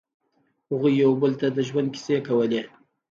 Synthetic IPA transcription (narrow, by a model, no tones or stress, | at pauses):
hʊɣujːawbəlt̪ad̪əʒwand̪̚ki̥sekawəle